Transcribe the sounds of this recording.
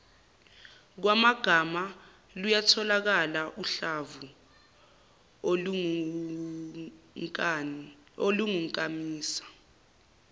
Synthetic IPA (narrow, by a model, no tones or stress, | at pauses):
k̬wamaɡ̥ʱama | lujatʰɔlak̬alaʔuɬavu | oluŋuŋkʼamiːsḁ